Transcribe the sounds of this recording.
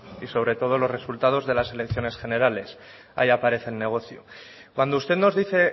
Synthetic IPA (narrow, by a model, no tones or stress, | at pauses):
iso̞βɾe̞t̪o̞ð̞o̞lo̞zre̞sult̪að̞o̞zðe̞lase̞le̞kθjo̞ne̞sxe̞ne̞ɾale̞s | a̰iapaɾe̞θe̞lne̞ɣ̞o̞θjokwand̪oust̪e̞ðno̞zðiθe̞